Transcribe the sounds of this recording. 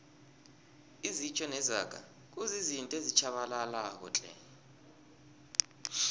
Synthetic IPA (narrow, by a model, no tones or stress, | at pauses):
izit͡ʃʰʼɔnɛza̰kʼa̰ | k̬ʼuzizintʼezit͡ʃʰaɓalalak̬ɔ̰t͡ɬʼɛ̰